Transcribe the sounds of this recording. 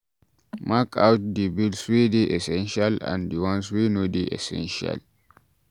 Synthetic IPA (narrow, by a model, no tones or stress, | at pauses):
makawt̚dibilswideʔɛsɛ̃nʃalã̰ndiwãnswinodiʔɛ̰sɛ̰̃nʃa̰l